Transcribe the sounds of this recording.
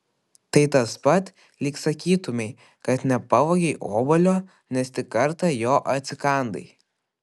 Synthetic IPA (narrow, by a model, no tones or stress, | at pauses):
t̪ɐɪt̪ɐspɐt̪ | lʲɪːksɐkʲiːt̪ʊmʲɛɪ | kɐt̪nʲɛpɑʋoɡʲɛɪʔo̰ːbɐlʲoː | nʲɛst̪ʲɪkɐɾt̪ɐjoːʔɐt̪ʲsʲɪkɐˑnd̪ɐ̰ɪ